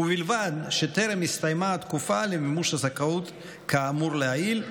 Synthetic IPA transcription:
ubilvad̪ʃet̪eɾemist̪ajmaːt̪kufalemimuʃhazakaut̪ | kʰaːmuɾleail

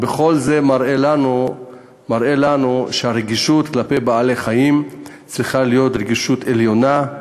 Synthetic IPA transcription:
beχo̞lze̞maɾela | maʁe̞lanuʃeaɾeɡiʃut̪klape̞jbaaleχajim | t͡sʁiχalijo̞t̪ɾeɡiʃut̪e̞ljo̞na

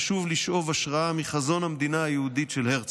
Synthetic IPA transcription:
ʃuvliʃʔo̞vaʃʁaamiχazo̞nhamd̪inaajehud̪itʃelheʁt͡s

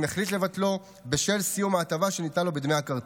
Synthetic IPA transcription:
neχlitle̞vatlo̞ | beʃe̞lsijumaːt̪avaʃe̞nit̪anlo̞bed̪mejakaʁ

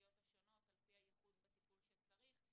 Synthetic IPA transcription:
jo̞t̪haʃo̞no̞t̪alpihajiχud̪bet̪ipulʃet͡saʁiχ

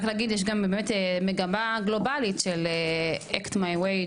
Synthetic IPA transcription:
xlaɡid̪jɛʃ̬ɡambemetemeɡamaɡlo̞balitʃeleektmajwej

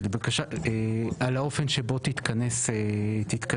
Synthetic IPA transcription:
ebakaʃaealaofenʃebot̪it̪kaneset̪it̪ka

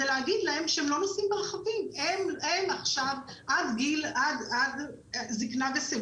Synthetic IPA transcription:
eleaɡid̪lae̞mʃeemlo̞nosimbeʁχavimememaχʃavʔad̪ɡilad̪ad̪ | ziknavese

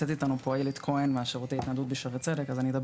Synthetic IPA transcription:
et̪it̪anupojilit̪kʰo̞enveaʃaʁut̪ait̪nad̪ut̪̚biʃaʁet͡se̞d̪ekazanid̪ab

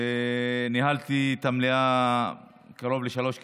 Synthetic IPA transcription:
niɦalt̪it̪amlia | kaɾo̞vleʃalo̞ʃk

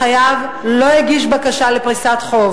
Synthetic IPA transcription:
ajav | lo̞iɡiʃbakaʃalepʁisat̪χo̞v

